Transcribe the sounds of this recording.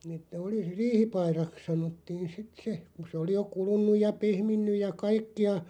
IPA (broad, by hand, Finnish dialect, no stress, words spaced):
etːæ oli riːhipɑirɑks sɑnotːiːn sit se ku se oli jo kulunˑuj jɑ pehminːyj jɑ kɑikːiɑ